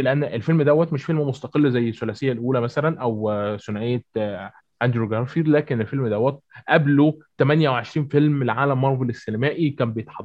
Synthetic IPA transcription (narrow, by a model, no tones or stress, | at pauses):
leʔænːʔelfelmd̪æwːæt̪meʃfelmmost̪ɑqelːzæjːesːolæsejːælʔuːlæmæsælænʔæwsonʕejːæ | ʔænd̪ɾoɡæɾfiːɾlæːkenelfelmd̪æwæt̪̚ʔæblot̪æmænjæweʕeʃɾiːnfelmlʕaːlæmːɑɾˤvelesːenæmæːʔikæːmbejet̪ħɑd̪ːˤ